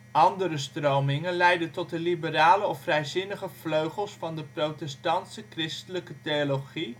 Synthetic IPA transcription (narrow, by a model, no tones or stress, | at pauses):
ʔɑndəɾəstrowmɪŋənlɛjdəntɔt̚dəlibəraːləɔfrɛjzɪnəχəv̥løɥχəlˠsfɑndəprowtɛstɑntsəkrɪstələkətejoloχi